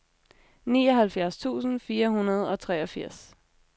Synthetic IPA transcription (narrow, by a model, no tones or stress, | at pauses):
nḭːɒ̽ɦælfjæɐst͡sʰṵːsn̩fiːɐɦunɐð̞̩ˠɒ̽t͡sʰʁɛːɒ̽fiɐ̰s